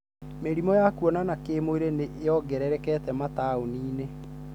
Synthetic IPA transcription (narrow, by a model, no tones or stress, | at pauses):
meɾimɔjakuɔnanakeːmoeɾeneʔɔɡɛɾɛɾɛkɛtɛmataoniːne